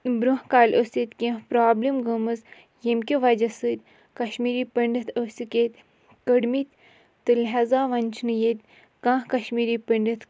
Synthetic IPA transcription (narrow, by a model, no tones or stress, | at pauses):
bɾuɦkaːlʲʔosit̪ʲkʲĩpɾaːblʲimɡɐmɨz | jemkʲiʋɐd͡ʒɐsɨt̪̚ʲ | kɐʃmiːɾiːpɐɳɖɐt̪ʰosiket̪ʲ | kəɽmit̪ | t̪ɨlɦɐzaːʋɐnʲt͡ʃʰnɨjet̪ʲ | kãːɦkɐʃmiːɾiːpəɳɖɐt̪